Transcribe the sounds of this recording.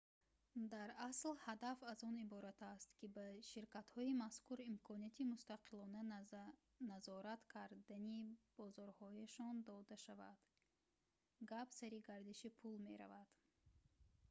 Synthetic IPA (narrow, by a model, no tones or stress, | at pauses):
d̪aɾaslhad̪afazɔnibɔɾat̪ʰast̪kibaʃiɾkat̪hɔimaskuɾimkʰɔniat̪ʰimust̪aqʰilɔna | nazɔɾat̪kʰaɾd̪anib̥ɔzɔɾhɔjaʃɔnd̪ɔd̪aʃava̰d̪̥ | ɡapsaɾiɡaɾd̪iʃipʰulme̞ɾa̰vad̪̥